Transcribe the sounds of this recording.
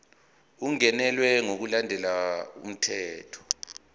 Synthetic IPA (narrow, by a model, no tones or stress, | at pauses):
uŋɛnɛlwɛŋok̬ulandʱɛlaṵm̩tʰɛːtʰɔ̥